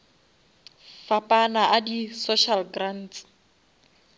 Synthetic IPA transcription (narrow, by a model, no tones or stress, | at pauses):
fapʼanaʔadisoʃalɡran̩ːt͡s